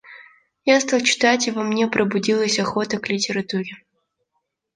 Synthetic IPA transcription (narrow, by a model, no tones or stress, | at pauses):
jast̪alˠt͡ɕɪ̥t̪atʲɪvɐmnʲepɾʔəbʊdʲilˠəsʲɐxo̞t̪əklʲɪtʲɪɾɐt̪uɾʲɪ